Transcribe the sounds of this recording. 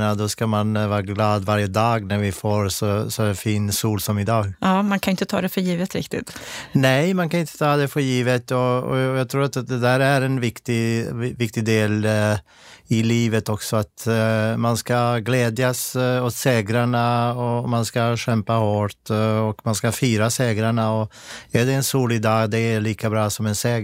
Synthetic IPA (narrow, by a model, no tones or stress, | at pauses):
nad̪ɔskamanvɑːɾaɡlɑːd̪vaɾjəd̪ɑːɡnæɾvɪfoːɾsɔsɔfiːnsuːlsɔmɪd̪ɑːɡɑːmankʰanʏɪnt̪ət̪ʰɑ̰ːd̪ɛfœɾjiːvət̪ɾɪ̰kt̪ɪ̰t̪nɛɪmankʰanɪnt̪ʰːə̥t̪ʰɑːd̪ɛfœɾjiːvət̪ɔɔ̰jɑːɡt̪ʰɾuːɾat̪d̪ɛd̪æːɾæɾɛnvɪkt̪ɪvɪkt̪ɪd̪eːl | ɪliːvət̪ɔksɔat̪manskaɡlɛːd̪jasɔt̪seːɡɾaɳaɔmanskaɕɛmpahoːʈɔkmanskafyːɾaseːɡɾaɳaɔæɖɛːnsuːlɪd̪ɑːɡd̪ɛːɭiːkabɾɑːsɔmɛnseːɡ